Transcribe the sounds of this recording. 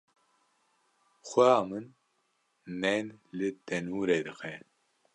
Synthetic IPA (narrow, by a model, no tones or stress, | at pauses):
xʷɛjaːmɨnː | ɛnlɨt̪ɛnuːɾed̪ɨxʰɛ